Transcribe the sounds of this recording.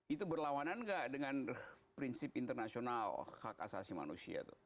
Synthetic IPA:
it̪ubərlawananɡaʔdəŋanpɾinsɪpint̪ərnasionalha̰ka̰sa̰sima̰nṵsia̰t̪ṵ

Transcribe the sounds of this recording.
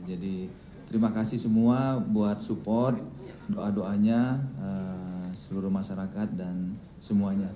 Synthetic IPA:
d͡ʒadi | t̪əɾimakasɪhsəmuabuat̪̚supɔrt̪̚ | doʔadoʔaɲaəsəluɾʊmaʃaɾakat̪̚dan | səmuaɲa

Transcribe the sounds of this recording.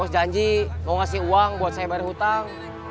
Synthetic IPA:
ɔsd͡ʒaɲd͡ʒimɔŋasɪuaŋbuat̪̚sajabaɾaɦut̪aŋ

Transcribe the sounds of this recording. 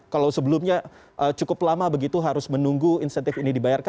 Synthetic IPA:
kalawsəbəlʊmɲa | ʔət͡ʃukʊplamabəɡit̪uɦaɾʊsmənuŋɡuinsɛnt̪ɪfinidibajark

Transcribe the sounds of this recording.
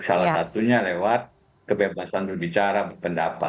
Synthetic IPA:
salasat̪uɲalewat̪̚ | kəbebasant̪udit͡ʃaɾabərpəndapa̰

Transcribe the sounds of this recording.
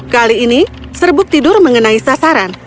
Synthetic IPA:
kaliːnisərbʊk̚t̪idʊrməŋənaisasaɾan

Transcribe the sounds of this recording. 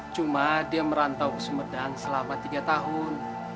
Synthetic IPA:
t͡ʃumadiaməɾant̪awkə̥səmərdaŋsəlamat̪iɡat̪aɦʊn

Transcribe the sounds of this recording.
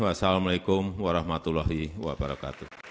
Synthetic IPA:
wasalamalekʊmwaɾahmat̪ulaɦiwa̰baɾaka̰t̪u

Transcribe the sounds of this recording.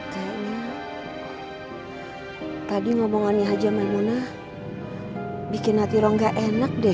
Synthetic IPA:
kaaʔɲa | t̪adiŋɔbɔŋɔnɲaɦad͡ʒamaimuna | bikinɦat̪iɾɔŋɡaʔɛnak̚dɛ

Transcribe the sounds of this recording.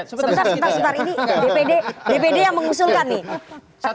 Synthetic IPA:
ssəbət̪arsət̪arsət̪aɾinidepededepedejaŋməŋusulkanːih

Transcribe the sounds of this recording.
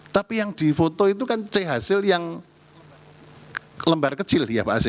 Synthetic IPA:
t̪apijaŋd̪̥i̤fot̪oit̪̬ukant͡ʃaɦasɪljaŋ | ləmbarkət͡ʃɪlja̰paʔse

